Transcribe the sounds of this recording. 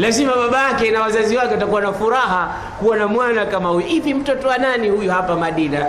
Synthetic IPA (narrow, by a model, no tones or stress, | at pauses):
lazimaɓaɓajakɛnawazaziwakɛwatakuwanafuɾaɦa | kuanamwanakamahujɔʔipim̩tɔtɔwananihujuhapamaɗina